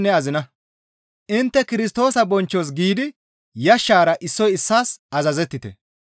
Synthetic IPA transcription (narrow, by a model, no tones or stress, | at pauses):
nːɛɐzɪnɐ | ʔɪnt̪ːɛkɪɾɪst̪o̞ːsɐbɔnt͡ʃːos̬ɡiːd̪ɪ | jɐʃːaːɾɐʔɪsːɔjɪsːaːsɐzɐzɛt̪ːɪt̪ɛ̰